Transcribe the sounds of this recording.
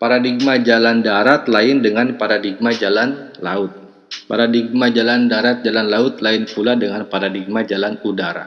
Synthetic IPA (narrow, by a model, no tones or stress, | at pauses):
paɾadiɡ̚mad͡ʒalandaɾat̪laɪndəŋanpaɾadiɡ̚mad͡ʒalanla̰ʊt̪̚ | paɾadiɡ̚mad͡ʒalandaɾat̪̚d͡ʒalanlaʊt̪̚laɪnpuladəŋanpaɾadiɡ̚mad͡ʒalanudaɾa̰